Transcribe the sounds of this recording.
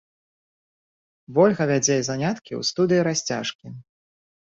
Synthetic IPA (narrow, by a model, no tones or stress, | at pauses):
vɔlʲɣɐvʲad͡zʲɛzanʲat̪kʲḭwst̪ud̪ɨjiɾasʲt͡sʲa̰ʂkʲi